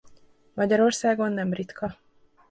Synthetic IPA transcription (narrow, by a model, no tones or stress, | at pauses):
mɒɟɒɾo̞rsaːɡo̞nːɛmrit̪kɒ